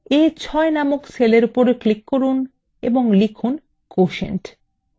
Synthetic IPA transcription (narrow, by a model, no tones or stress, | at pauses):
et͡ɕʰɔenamokseleɾupoɾklikːoɾun | ḛboŋlikʰun | koʃḛnʈ